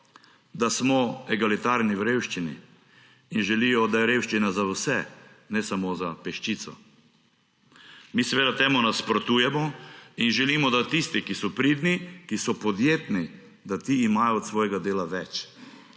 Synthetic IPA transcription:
d̪asmɔɛɡalit̪aɾniwɾewʃt͡ʃinḭː | nʒɛlijɔd̪ajɛɾeːwʃt͡ʃinazawsɛ | nɛsamozapɛʃt͡ʃit̪sɔ̰ | miːsɛʋeːd̪at̪ɛːmɔnaspɾɔt̪uːjɛmɔinʒɛlimɔd̪at̪ist̪ikisɔpɾid̪nikisɔpɔd̪jeːt̪ni | d̪at̪iːmajɔɔt̪sʋɔːjɛɡad̪eːlaʋɛt͡ʃ

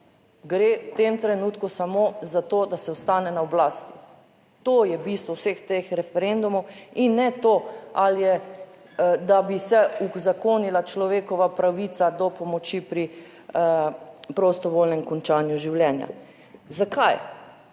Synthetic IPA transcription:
ɡɾewt̪emt̪ɾɛnuːt̪kusamozat̪od̪asɛɔst̪aːnɛnaɔblaːst̪i̥ | t̪oːjɛbist̪ʋɔwsext̪exɾɛfɛɾend̪umɔwinːɛt̪oaljɛ | d̪abisɛuzakoːnilat͡ʃlɔʋeːkɔʋapɾaʋit̪sad̪ɔpɔmɔt͡ʃipɾi | pɾɔst̪ɔʋoːlnɛmkɔnt͡ʃaːnjuʒiwljɛnja̰ | zakaj

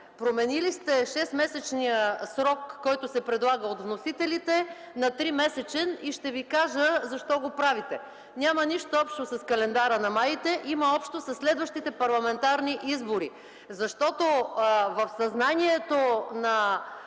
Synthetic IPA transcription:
pɾomɛnilist̪ɛʃɛsmɛsɛt͡ʃnijəsɾɔkːɔjt̪ʊsɛpɾɛd̪lˠaɡəot̪vnosit̪ɛlit̪ɛ | nɐt̪ɾimɛsɛt͡ʃɛniʃt̪ɛvikaʒəzɐʃt̪ɔɡopɾavit̪ɛ | nʲaməniʃt̪oɔpʃt̪osɐskɐlɛnd̪aɾənɐmait̪ɛʔiməɔpʃt̪osɐsːlɛd̪vəʃt̪it̪ɛpɐɾlˠɐmɛnt̪aɾniʔizboɾi | zɐʃt̪ɔt̪ovɐfsɐznaniɛt̪onɐ

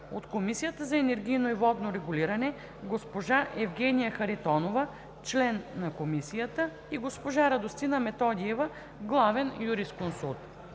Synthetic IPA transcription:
ot̪komisijət̪əzɐɛnɛɾɡ̟ʲijnoivɔd̪noɾɛɡuliɾɐnɛ | ɡospoʒaʔɛvɡɛnijəxɐɾit̪ɔnovɐ | t͡ʃlɛnːɐkomisijət̪ə | iɡospoʒaɾɐd̪ost̪inɐmɛt̪ɔd̪iɛvɐ | ɡlˠavɛnjuɾiskonsut̪

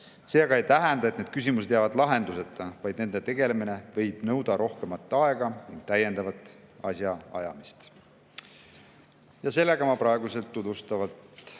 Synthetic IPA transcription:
se̞ːɡɑe̞jt̪æɦɛnd̪ɑet̪ned̪̥̚kys̬ʲimuse̞d̪̥jævɑd̪lɑɦe̞nd̪use̞t̪ːˑɑvɑjd̪ne̞nd̪e̞t̪e̞ɡe̞leminevɤ̞jb̥nɤwd̪̥ɑɾʔo̞hke̞mɑt̪ːˑɑe̞ɡ̥ɑniŋɡ̥̚t̪æje̞nd̪ɑvɑt̪ːˑɑsjɑɑjɑmist̪ | jɑse̞lːe̞ɡ̥ɑmɑpɾɑeɡ̥use̞lt̪ːud̪ust̪ɑvɑlt̪

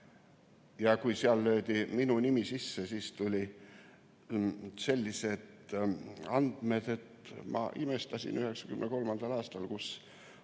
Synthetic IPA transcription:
jɑkujsiɑlːø̞ːd̪̥iminunimisisːesiːst̪ulʲi | se̞lʲːise̞d̪̥ | ɑnd̪̥me̞d̪̥e̞t̪mɑ̰ʔime̞st̪ɑsʲḭnyhe̞ksɑ̥kymneko̞lmɑnd̪̥ɑlɑːst̪ɑlkus

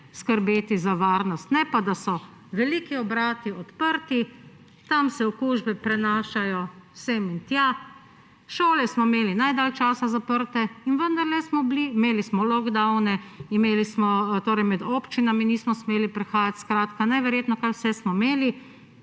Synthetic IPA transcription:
skəɾbeːt̪izaʋaːɾnɔst̪nɛpad̪asɔ | ʋɛlikiɔbɾaːt̪iɔt̪pəɾt̪i | t̪amsɛɔkuʒbɛpɾɛnaːʃajɔsemint̪ja | ʃoːlɛsmɔimeːlinajd̪aːlt͡ʃaːsazapəɾt̪ɛinʋənd̪aɾlɛsmɔblimeːlismɔlɔɡd̪awnɛimeːlismɔt̪oːɾɛjmɛd̪oːpt͡ʃinaminiːsmɔsmeːlipɾɛxaːjat̪skɾaːt̪kanajʋɛɾjeːt̪nɔkajwsɛsmɔmeːli

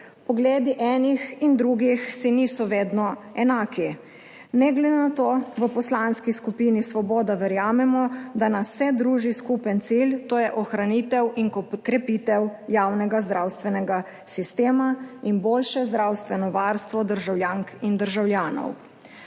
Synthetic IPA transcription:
pɔɡleːd̪iʔɛːnixind̪ɾuɡixsiniːsɔʋeːd̪nɔɛnaːki | nɛɡlɛd̪enat̪oːʋəpɔslanskiskupinisʋɔboːd̪aʋɛɾjaːmɛmɔd̪anasːɛd̪ɾuːʒiskupɛnt̪silt̪oːjɛʔɔxɾanit̪ɛwiŋkkɾɛpit̪ɛwjaːwnɛɡazd̪ɾawst̪ʋɛnɛɡa | sist̪eːmainboːlʃɛzd̪ɾawst̪ʋɛnɔʋaɾst̪ʋɔd̪əɾʒawljaŋkind̪əɾʒawljaːnɔ̰w

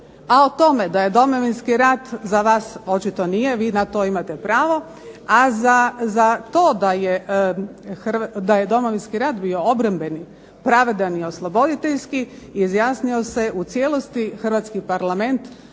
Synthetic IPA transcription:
aot̪o̞me̞d̪aje̞d̪o̞mo̞ʋinskiɾaːt̪zaʋaːso̞t͡ʃit̪o̞nije̞ʋiːnat̪o̞ːimat̪epɾaːʋo̞ | azazat̪o̞ːd̪aje | xrd̪aje̞d̪o̞moʋinskiɾaːd̪bijo̞obɾambe̞ni | pɾaʋe̞d̪anio̞slˠo̞bo̞d̪it̪eʎskiizjaːsnio̞se̞ʔut̪sjelˠo̞st̪ixrʋat̪skipaɾlˠame̞nt̪

